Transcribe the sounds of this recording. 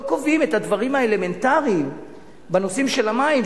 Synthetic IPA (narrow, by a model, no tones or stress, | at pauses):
kovimethad̪vaʁimhaele̞me̞ntaʁiːm | beno̞simʃe̞lamaim